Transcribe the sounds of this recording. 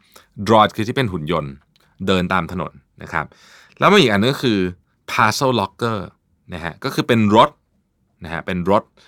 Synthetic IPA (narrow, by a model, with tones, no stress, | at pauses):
dɾɔː˦t̪̚kʰɯː˧t̪ʰiː˥˩pe˧nɦu˩˦njo˧n | dɤː˧nt̪aː˧mt̪ʰa˧no̰˩˦nːa̰˦˥kʰɾa˦˥p̚ | lɛː˦˥wmaː˧˥˩ʔiː˨˩ʔnːɯ˨˧ŋkɔ˥˧kʰɯː˧ | pʰaː˧sɤ˥˩wlɔ˦˥kːɤː˥˩ | na˦˥kʰa̰˦˥kɔː˥˩kʰɯː˧pe˧nɾo˦˥t̪̚ | na˦˥kʰa̰˦˥pe˧nɾo˦˥t̪̚